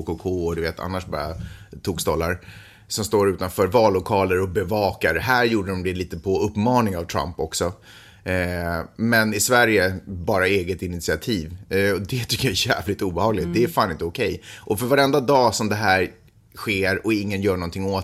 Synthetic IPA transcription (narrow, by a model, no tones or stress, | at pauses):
kokʰoːɔd̪ɵveːt̪ʰa̰nːaʂbɑ̰ːɾa̰t̪ʰuːkst̪ɔlːa̰ɾ | sɔmst̪oːɾʉ̟ːt̪anfœːɾvɑːlːʊkʰɑːləɾɔbɛvɑːkaɾhæːɾjuːɖədɔmd̪ɛliːt̪əpʰɔɵpːmɑːnɪŋavt̪ʰɾa̰mpɔksɔ | mɛnɪsvæɾjəbɑːɾaeːɡət̪ɪnɪt̪sɪat̪ʰiːvɔd̪ɛt̪ʰʏkːəjaɛjæːvlɪt̪uːbɛhɑːɡlɪt̪̚d̪ɛæɾfaːnɪnt̪əʊkʰɛjʔɔfœɾvaɾɛnd̪ad̪ɑːsɔmd̪ɛɦæːɾ | ɧeːɾɔɪŋːənjœːɳɔnt̪ʰɪŋːoː